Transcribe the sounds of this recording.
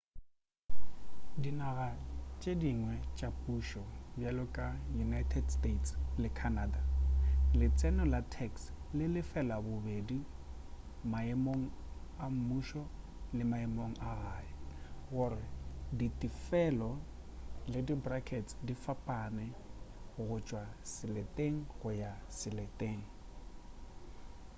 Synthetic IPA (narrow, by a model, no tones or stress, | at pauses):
dinaɣat͡ʃʼediŋwɛt͡ʃʼapʼuʃɔbjalʊkʼajunajtʰɛdstʼetʰslɪkʰanaːdalɪt͡sʼɛnɔlatʰɛkslɪlɪfɛlabʊbedi | maɛmoŋ̩ | am̩muʃɔ | lɪmaɛmoŋ̩aɣajɪɣʊɾɪditʼifɛlɔ | lɪdibrakʰɛtsdifapʼanɛ | ɣʊt͡ʃʼwasɪlɛtʼeŋ̩ɣʊjasɪlɛtʼeːŋ̩